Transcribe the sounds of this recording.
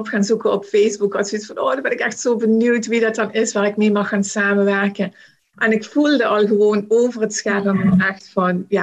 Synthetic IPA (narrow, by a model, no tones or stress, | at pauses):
ɔpxaːnzukəɔpfejzbukɑsisfɑnoːdɑbɛnɪkɛxtsoːbənywtʋidɑt̚dɑnɪsʋaːɹɪkmeːmɑxːaːnsaːmənʋɛɹkən | ʔɛnɪkfulˠdəʔɑlˠɣəʋoːnoːwvərətsxɛrəmɔɛxtfɑnjaː